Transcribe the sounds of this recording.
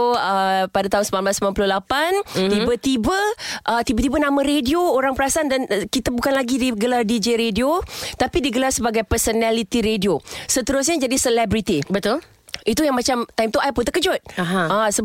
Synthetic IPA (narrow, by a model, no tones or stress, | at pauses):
əpadat̪aʊnsəmanblasmãnpulʊhlapant̪ibət̪ibəʔət̪ibət̪ibənãmə̃ɾediooɾaŋpəɾasandankit̪abukanlaɡidiɡəlardid͡ʒeɾediot̪apidiɡəlarsəbaɡajpərsonalit̪iɾediosət̪əɾʊs̬ɲad͡ʒadisəlɛbɾit̪ibət̪ʊl | it̪ujaŋmat͡ʃamt̪ajmt̪uapʊnt̪əkəd͡ʒʊt̪̚aɦaasə